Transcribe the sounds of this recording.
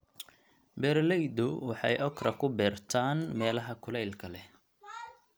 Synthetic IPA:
bɛrlɛjd̪ʊwɑħɑ̰jʔɔkrɐkʰʊbɛːrt̪ʰaːnmɛːlɐɦɐkʰʊlɛjlkʰɐlɛ

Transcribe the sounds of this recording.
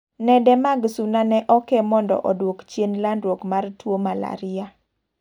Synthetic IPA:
nɛdɛmaɡsunanɛʔɔkɛmɔndɔ̰ʔɔdwokt͡ʃjenlandwokmartwomala̰ɾɪa

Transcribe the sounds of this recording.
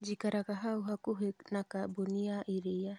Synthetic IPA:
d͡ʒikaɾakaɦauɦakuɦenakaboniaʔiɾia

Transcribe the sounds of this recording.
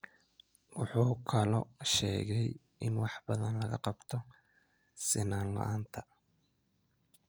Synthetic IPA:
wɑħuːkʰɐlɔʃɛːɣɛj | ɪ̰nwɑħbɐðɐnlɐɣɐqɑbt̪ʰɔ | sɪnaːnlɐ̰ʔaːnt̪ʰɐ

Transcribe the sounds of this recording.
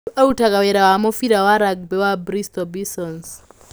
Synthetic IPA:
autakawɛɾawamɔfiɾawaɾaɡ̚bɛwabɾistɔbisɔns

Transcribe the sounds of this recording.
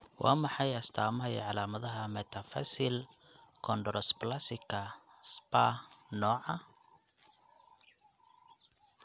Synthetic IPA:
wɑ̰ːmɑħɑjɐst̪ʰaːmɐɦɐj̰ʕɑlaːmɐðɐɦɐmɛt̪ʰɐfɐ̰sɪl | kʰɔnɖɔɾɔsplasɪkʰɐ | spaːnɔːʕɐ

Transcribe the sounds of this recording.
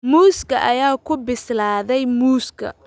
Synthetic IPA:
muːskʰɐʔɐjaːkʰʊbɪslaːðɛjmuːskʰɐ̰

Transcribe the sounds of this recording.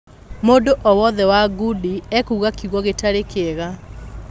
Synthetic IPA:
moːdoʔɔwɔðɛwaɡudiɛkuːɣakiɣɔɣetaɾekɛɣa

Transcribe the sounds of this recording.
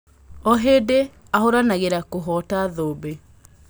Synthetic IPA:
ɔɦede | ahoɾanaɣeɾakoɦɔtaðoːbe

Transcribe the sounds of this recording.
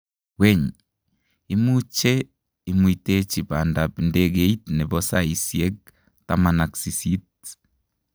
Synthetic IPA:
weɲ | imut͡ʃe | imuitet͡ʃipandapindeɣeitneβosaisiek̚ | ta̰manaksisit

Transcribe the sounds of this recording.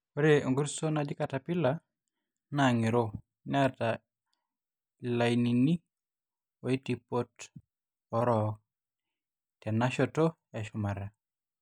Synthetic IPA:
oɾeŋɡuɾsonad͡ʒɪkatapɪla | naŋiɾo | nɛta | lainini | oitipot | ɔɾɔ | tɛnaʃɔto | aʃʊmaɾa

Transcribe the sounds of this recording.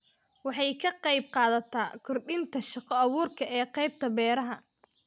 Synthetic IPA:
wɑħɑjkʰɐqɑjb̚qɑːðɐt̪ʰaːkʰɔrɖɪnt̪ʰɐʃɑqɔɐβʊːrkʰɐʔɛːqɑjb̚t̪ʰɐbɛːɾɐɦɐ

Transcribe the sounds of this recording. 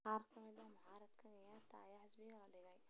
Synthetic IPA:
qɑːrkʰɐmɪd̪ɐhmʊʕɑːɾɐd̪kʰɐnɐjaːrt̪ʰɐ̰ːjaːħɪsbɪɣɐlɐɖɪɣɛj

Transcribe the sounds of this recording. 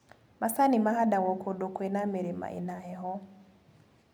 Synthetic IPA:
masanimaɦadawɔkʰɔdɔkɔinameɾema̰ʔḭnaɛɦɔ

